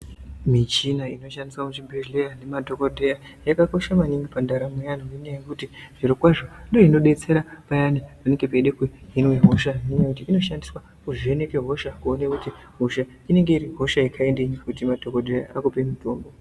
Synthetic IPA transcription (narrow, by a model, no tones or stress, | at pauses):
mit͡ʃinaino̞ʃandiswakutibʱeʒlejanemadʱokodʱeja | jakako̞ʃamaniŋɡipandaɾamejanoineikutiʐ̥iɾikwaʐo̞ndo̞ino̞ɗe̞t͡se̞ɾapajanimane̞ŋɡepeɗekuɦinweɦo̞ʃainekut̬iːno̞ʃandiswa | kuʐie̞ne̞keɦoʃakuonekuti | ɦo̞ʃa | ine̞ŋɡe̞iɾiɦo̞ʃaikʰaendeɲikutimadʱo̞kodʱeja̰ʔakupe̞mutʰo̞ːmbo̞